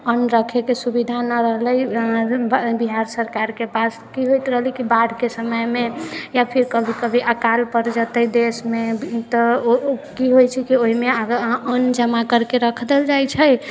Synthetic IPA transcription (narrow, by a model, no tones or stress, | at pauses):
ənɾəkʰekesubid̪ʱanəɾəɦləjbbiɦaɾsəɾkaɾkepas | kiɦojt̪ɾəɦlikibaɽ̤ʱkesəməjmejapʰiɾkəbʱikəbʱiʔəkalpəɾd͡ʒət̪əd̪esmet̪əkiɦojt͡ʃʰɛkioɦimeənd͡ʒəmakəɾkeɾəkʰd̪eld͡ʒajt͡ʃʰəj